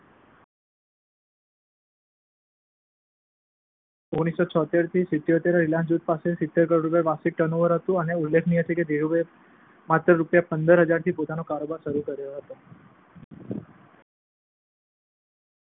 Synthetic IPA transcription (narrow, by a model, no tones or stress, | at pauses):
oɡɽ̃isot͡ʃʰɔt̪eɾt̪ʰisɪt̪ːjot̪eɾaɾilãnsd͡ʒud̪̚pasesɪt̪ːeɾkəɾɾupaʋasik̚ʈənoʋəɾɦət̪ũəneʊlːekʰnĩɦət̪ʰeked̪eɾube | mat̪ɾəɾupjapənd̪əɾɦəd͡ʒaɾt̪ʰipot̪anokaɾobaɾʃəɾukəɾjoɦət̪o